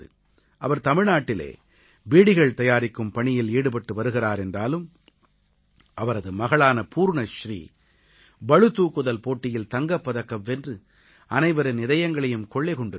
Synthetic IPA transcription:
ɯ | ʔɐʋɐɾt̪ɐmɪɻnaːʈːɪlḛː | biːɽɪɣɐɭt̪ɐjaːɾɪkːɯmpɐɳɪjɪleːɽɯpɐʈːɯʋɐɾɯɣɪraːɾɛndraːlɯm | ʔɐʋɐɾɐðɯmɐɣɐɭaːnɐpʰuːɾɳɐʃrḭː | bɐɻɯt̪ːuːkːɯðɐlpoːʈːɪjɪlt̪ɐŋɡɐpːɐðɐkːɐmːɛndrɯ | ɐnɐɪʋɐɾɐnɪðɐjɐŋɡɐɭɐjɯmkɔɭːeɪkɔɳɖɪ

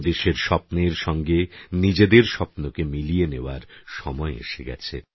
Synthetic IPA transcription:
d̪eʃeɾʃɔpneɾʃɔŋɡenid͡ʑed̪eɾʃɔpnokemilieneoaɾʃɔmɔeḛʃeɡɛ̰t͡ɕʰḛ

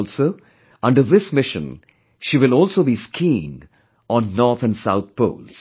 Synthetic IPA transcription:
lsoː | ʌ̃ɳɖəɾðɪsmɪʃə̰̃n | ʃiːʋɪlɔːlsoːbiskʰĩn | ʔɔ̃nːɔːɾt̪ʰæ̃nsaʊt̪̚pʰo̰ʊːls

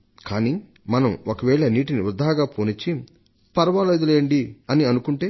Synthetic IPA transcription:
kaːni | mɐnɐmokɐʋɛːɭɐniːʈiniɾud̪ʱaːɡaːpoːnit͡ʃːi | pɐɾɐʋaːlɐid̪ɐleːɐɳɖiɐniɐnukuɳʈe̞ː

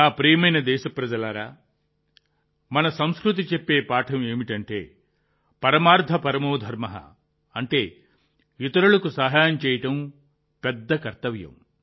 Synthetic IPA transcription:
aːpɾɛːjɐmɐjnɐd̪ɛːʃɐpɾɐd͡ʒɐlaːɾaː | mɐnɐsɐmskɾut̪̬it͡ʃepːe̞ːpaːʈʰɐme̞ːmiʈɐɳʈe̞̰ː | pɐɾɐmaːɾd̪ʱɐpɐɾɐmoːd̪ʱɐɾmɐɦɐ̰ | ɐɳʈe̞ː | jit̪ɐɾulɐkusɐɦaːjɐmt͡ʃɛːjɐʈɐm | pɛd̪ːɐkɐɾt̪ɐʋjɐ̰m

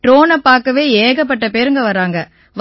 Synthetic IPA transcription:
ʈɾoːnɐpːaːɾkɐʋeːeːɣɐp̬ːɐʈːɐpeːɾɯŋɡɐʋɐɾaːŋɡɐ | ʋ

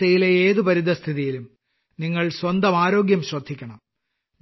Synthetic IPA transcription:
t̪ːɐjileeːðɨpɐɾid̪ʱːɐst̪ʰiðijilum | niŋːɐɭswɐnd̪ɐmaːɾo̞ːɡjɐmɕwɐd̪ʱːikʲːɐɳɐm

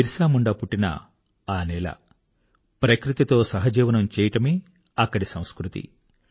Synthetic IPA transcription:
iɾsaːmuɳɖɐpuʈːinɐ̰ | aːnɛːlɐ̰ | pɾɐkɾit̪it̪o̞ːsɐɦɐd͡ʒiːʋɐnɐmt͡ʃɛːjɐʈɐmeː | ɐkːɐɽisɐ̃w̃skɾut̪ḭ

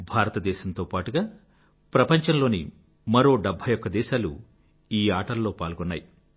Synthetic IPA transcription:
bʱaːɾɐt̪ɐd̪ɛːʃɐmnt̪o̞ːpaːʈuɡaː | pɾɐpɐɲt͡ʃɐnlo̞ːni | mɐɾo̞ːɖɐbʱːɐjɔkːɐd̪ɛːʃaːlṵ | iːaːʈɐlːo̞ːpaːlɡɔnːa̰ːji

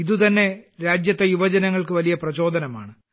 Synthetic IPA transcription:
iðut̪ɐnːe̞ɾaːd͡ʑjɐt̪ːejuʋɐd͡ʑɐnɐŋːɐɭkɨʋɐlijɐprɐt͡ɕo̞ːd̪ʱɐnɐmaːɳɨ

